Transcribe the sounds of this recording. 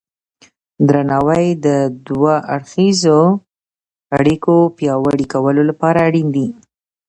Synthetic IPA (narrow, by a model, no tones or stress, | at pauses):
d̪ɾanɑwajd̪əd̪waʔaɽxizo | aɽikopjɑwaɽikawəlolapɑɾaːɽind̪i